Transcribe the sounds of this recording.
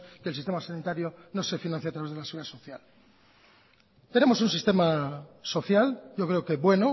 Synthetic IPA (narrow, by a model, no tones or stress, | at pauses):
kelsist̪e̞masanit̪aɾjo̞no̞se̞finãnθjeat̪ɾaβezðelasiɣuɾðaso̞θjal | t̪e̞ne̞mo̞sunsist̪e̞maso̞θjalɟ͡ʝo̞kɾe̞okeβwe̞no